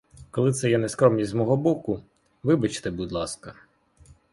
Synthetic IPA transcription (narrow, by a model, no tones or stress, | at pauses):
kɔlˠɪt̪sɛjɛnɛskɾɔmnʲizʲzmɔɦɔbɔkʊ | ʋɪbɐt͡ʃt̪ɛbud̪lˠɑskɐ